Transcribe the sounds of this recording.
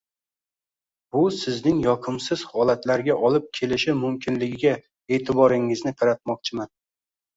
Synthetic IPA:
bʊsɪznɪŋjɒqʰɨmsɪz̥hɒlat̪laɾɡʲaʔɒlɪp̚kʲʰe̞lɪʃɪmʊmkʲʰɪnlɪɡʲɪɡʲa | e̞ːt̪ʰɪbɒɾɪŋɪznɪqʰɑɾat̪̚mɒq̚t͡ʃʰɪman

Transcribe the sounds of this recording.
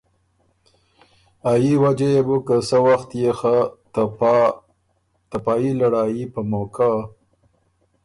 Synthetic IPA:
ajiwad͡ʒejebukəsəwaxt̪jexa | t̪apɑjilaɽaːjipəmokʰa

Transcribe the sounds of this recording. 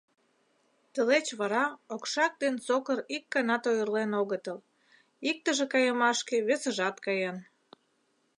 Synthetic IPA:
t̪əlet͡ɕβɑɾɑokʃɑk̚d̪ensokəɾikːɑnɑt̪ojərlenoɣət̪əl | ik̚t̪əʒekɑjəmɑʃkeβesə̆ʒɑt̪kɑjen

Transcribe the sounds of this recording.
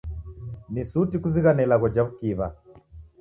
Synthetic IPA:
nisutikuziɣanɛlaɣɔd͡ʒaβukiβa

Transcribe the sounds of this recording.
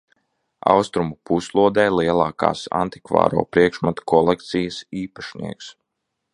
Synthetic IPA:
ɑ̰wst̪ɾumupuslˠuɔd̪ɛːjlˠiɛlˠɑːka̰ːsa̰nt̪i̥kva̰ːɾo̰ːpɾiɛkʃmat̪kɔlˠɛkt̪sijɐsiːpaʃnḭɛks

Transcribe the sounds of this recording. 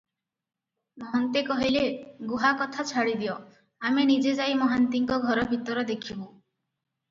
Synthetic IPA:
mɔɦɔnt̪ekɔɦileɡuɦakɔt̪ʰat͡ʃʰaɽid̪iɔ | amenid͡ʒed͡ʒajmɔɦant̪iŋkɔɡʱɔɾɔbʱit̪ɔɾɔd̪ekʰibũ

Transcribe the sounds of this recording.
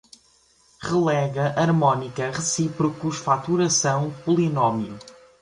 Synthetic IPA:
ʁɨlˠɛɣɐʔɐɾmɔnikɐʁɨsipɾukuʃfat̪uɾɐsɐ̃w̃pulˠinɔmju

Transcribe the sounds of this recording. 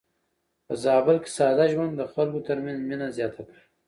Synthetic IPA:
pəzɑːbɪlke̥sɑːd̪aʒwand̪d̪əxalkot̪əɾmanzminazjɑːt̪ʰaka

